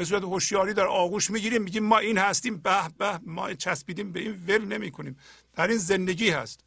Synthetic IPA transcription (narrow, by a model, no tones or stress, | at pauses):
bes̬uɾæt̪ehoʃjɒːɾiːd̪æɾʔɒːɣuːʃmiːɟiːɾiːmːiːɟiːmːɒːʔiːnhæst̪iːmbæhbæhmɒ̰ːt͡ʃʰæsbiːd̪iːmbeiːnvelne̞miːkʰoniːm | d̪̥æɾiːnzend̪e̞ɟiːhæ̰st̪